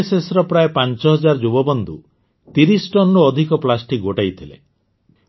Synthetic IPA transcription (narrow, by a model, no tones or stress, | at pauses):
sesɾɔpɾaepant͡ʃɔɦɔd͡ʒaɾd͡ʒubɔbɔnd̪u | t̪iɾisʈɔnːuɔd̪ʱikɔplasʈik̚ɡoʈajt̪ʰilḛ